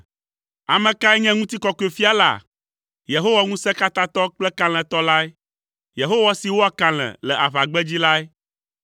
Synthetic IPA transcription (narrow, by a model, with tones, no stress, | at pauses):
a̰˨mɛ̃˨ka˦ɛ˦ɲɛ̃˦ŋũ˦t̪i˦kɔ˦kɔ˦e˦fi˦a˦la̰˨ | je˨ɦo˦wa˦ŋũ˦sɛ˦ka˦t̪ã˦t̪ɔ˦k͡plɛ˦ka˦l̃ɛ̃˨t̪ɔ˦la˦ɛ˦ | je˨ɦo˦wa˦si˨wo˦a˨ka˨l̃ɛ̰̃˨lɛ˨ʔa˨βa˨ɡ͡bɛ˦d͡ʑi˦la˦ɛ˦